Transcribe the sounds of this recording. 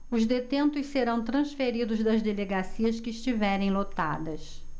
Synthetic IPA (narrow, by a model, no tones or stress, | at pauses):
ʊzd̪et̪ẽnt̪ʊsseɾɐ̃w̃t̪ɾɐ̃sfeɾid̪ʊzd̪ɐzd̪eleɡasiɐskɪːʃt͡ʃivɛɾẽj̃lot̪a̰d̪ɐs